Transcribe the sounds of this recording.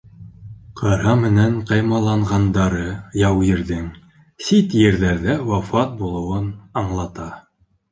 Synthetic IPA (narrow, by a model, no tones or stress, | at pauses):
qʰɑɾɑmɘ̆næɴqɑjmɑlˠɑɴʁɑnd̪ɑɾɤjɑwjɘ̆ɾðɘŋ | sit̪jɘ̆ɾðæɾðæwɑfɑt̪̚bulˠɤ̆wɤnɑɴlˠɑt̪ɑ